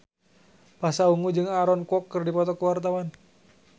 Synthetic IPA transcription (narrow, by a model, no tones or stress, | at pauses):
pasauŋud͡ʒɨŋaɾɔnkɔkːɨrdipɔt̪ɔkəwart̪awan